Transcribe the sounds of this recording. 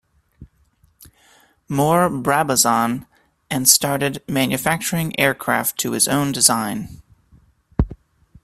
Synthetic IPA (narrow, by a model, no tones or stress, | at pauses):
mɔɹbɹæbəzɑ̃n | ɨ̃nstɑɹɾɨdmæ̃njɨfæk̚t͡ʃə˞ɪ̃ŋʔɛɹkʰɹ̥æ̰ftʰɨɨzõ̰ʊ̃ndɨzãɪ̃n